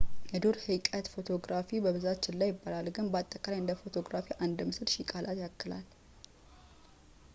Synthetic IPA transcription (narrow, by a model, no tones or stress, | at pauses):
jɛd̪oɾhɨkʼət̪fo̞t̪ʰo̞ɡɾafibəβɨzat͡ʃːɪnlːajɪbːalalɡɨnbat̪ʼːəkʼalajɨnd̪əfo̞t̪ʰo̞ɡɾafiʔand̪mɨsɨɾʃikʼalʔat̪jakːɨla̰l